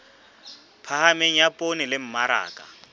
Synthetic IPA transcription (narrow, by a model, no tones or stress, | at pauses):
pʰahameŋ̩japʼonɪlɪm̩maɾa̰ːkʼa̰